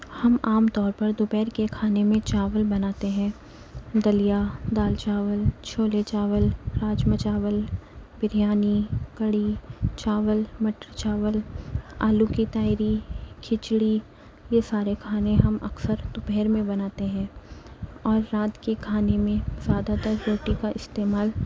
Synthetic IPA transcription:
hɐmaːmt̪ɔːɾpɐɾd̪ʊpɛːɾkekʰaːnemẽt͡ʃaːʋəlbɐnaːt̪eɦɛ̃ː | d̪ɐlijad̪aːlt͡ʃaːʋəlt͡ʃʰoːlet͡ʃaːʋəlɾaːd͡ʒmət͡ʃaːʋəlbɪɾijaːniɡɐɽit͡ʃaːʋəlmɐʈɾət͡ʃaːʋəla̰ːlukit̪aːɪɾikʰɪt͡ʃɽi | jesaːɾekʰaːnẽɦɐmʔɐ̰ksəɾt̪ʊpɛɦːɾmẽbɐnaːt̪eɦɛ̃ː | ɔːɾːaːt̪kekʰaːnemẽzjaːd̪at̪əɾɾoːʈikaʔɪst̪eːmaːl

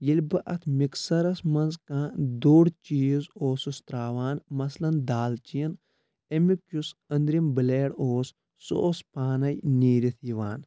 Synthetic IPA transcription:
jilʲbɨʔɐt̪ʰmiksɐɾɐsmɐnzkãːd̪oːɽt͡ʃiːzoːsust̪ɾaːʋaːnmɐslɐnd̪aːlt͡ʃiin | emikjusɐnd̪ɾimbɨleːɽoːs | so̰ːspaːnɐjniːɾit̪ʰiʋaːn

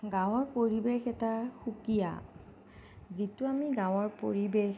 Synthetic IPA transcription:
ɡãw̃ɔɹpoɹibexɛtaxukija̰ | zituamiɡãw̃ɔɹpo̰ɹibex

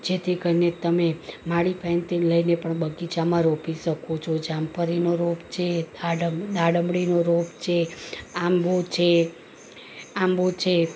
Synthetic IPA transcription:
d͡ʒet̪ʰikəɾinet̪əmemaɽipʰɛnt̪inləinepəɳbəɡit͡ʃamãɾopiʃəkot͡ʃʰod͡ʒampəɾinoɾopt͡ʃʰed̪aɖd̪aɽəmbɽinoɾopt͡ʃʰeambot͡ʃʰe | ambot͡ʃʰe

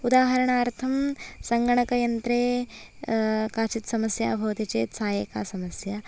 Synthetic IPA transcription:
ud̪aːɦɐɾɐɳaːɾt̪ʰɐmsɐŋɡɐɳɐkɐjɐnt̪ɾeː | kaːt͡ʃit̪sɐmɐsja̰ːbʱɐʋt̪it͡ʃeːt̪sʰaːjeːkaːsɐmɐsja

